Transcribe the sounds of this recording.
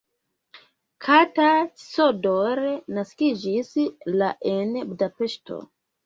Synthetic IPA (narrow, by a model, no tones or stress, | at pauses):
kʰatḁsodoɾnaskid͡ʒislaʔenbudape̞ʃto̰